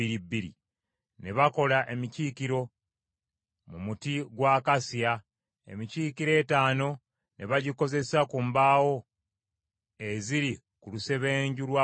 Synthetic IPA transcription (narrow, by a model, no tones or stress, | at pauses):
iɾibːiɾḭ | ne̞βako̞laʔe̞miciːkiɾo̞ | mumutiɡwaːkasia | ḛmiciːkiɾe̞ːtaːno̞ | ne̞βaɟiko̞ze̞sakumbaːwo̞ | eziɾi | kuluse̞βe̞ːɲɟulwa